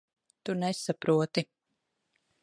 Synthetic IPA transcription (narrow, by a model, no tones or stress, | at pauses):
t̪unɛsapɾuɔt̪i